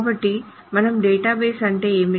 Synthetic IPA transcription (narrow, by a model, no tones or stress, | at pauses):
bɐʈːi | mɐnɐmɖeːʈaːbeːsɐɳʈe̞ːeːmi